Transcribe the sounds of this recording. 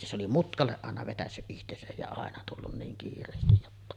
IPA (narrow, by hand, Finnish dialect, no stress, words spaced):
se oli mutkɑlːeʔ ʔɑˑenɑ ʋetæsːyʔ ʔihtesæj jɑ ɑˑenɑ tulːun niːn kiːrˑeːstij jotːɑ